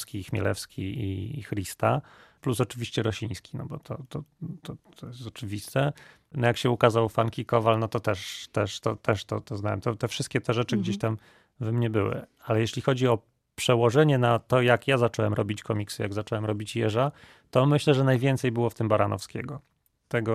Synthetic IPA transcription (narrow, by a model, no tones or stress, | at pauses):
skʲixmʲɛ̰lɛ̰fskʲiḭxɾʲist̪aplusɔt͡ʂɘvʲiɕt͡ɕɛɾɔɕĩj̃skʲi̥nɔbɔt̪ʰɔt̪ɔt̪ʰɔɔjɛst̪ɔt͡ʂɘvʲist̪ɛ | nɔjakɕɛukazawfaŋkʲikɔvalnɔt̪ɔt̪ɛʂt̪ɛʂt̪ɔt̪ɛʂt̪ɔt̪ɔznawɛmt̪ɔt̪ɛfʂɘst̪kʲɛt̪ɛʐɛt͡ʂɘɡd͡ʑeɕt̪am | vɛmɲɛbɘwɘ̰alɛjɛɕlʲixɔd͡ʑiɔ | pʂɛwɔʐɛɲɛnat̪ɔjakjazat͡ʂɔwɛmɾɔbʲit͡ɕkɔmʲiksɨjaɡzat͡ʂɔwɛmɾɔbʲit͡ɕjɛʐa | t̪ɔmɘɕlɛʐɛnajvʲjɛnt̪sɛjbɘwɔft̪ɘmbaɾanɔfskʲeɡɔ | t̪ɛɡɔ